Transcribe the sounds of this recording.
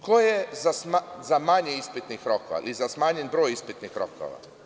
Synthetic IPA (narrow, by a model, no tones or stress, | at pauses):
kojezasmazamaɲeispit̪nixɾokoʋa̰lizasmaːɲenbɾoːjispit̪nixɾo̰kʰo̰ʋa̰